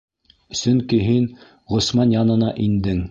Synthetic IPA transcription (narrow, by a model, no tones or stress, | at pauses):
sɵ̆ŋkiɦin | ʁŏsmɑnjɑnɤ̆nɑʔind̪ɘŋ